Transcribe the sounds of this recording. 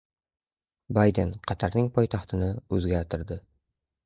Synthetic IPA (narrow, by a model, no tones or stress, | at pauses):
bajd̪e̞nqʰɑt̪ʰaɾnɪŋpʰɒjt̪ʰɑχt̪ʰɪnɪɵzɡʲaɾt̪ʰɪɾd̪ɪ